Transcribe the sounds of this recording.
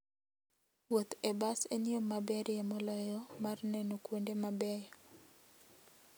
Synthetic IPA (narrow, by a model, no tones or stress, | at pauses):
wot̪ebaseniomabɛɾʔjemɔlɔjɔmarnɛnokwondemabɛjɔ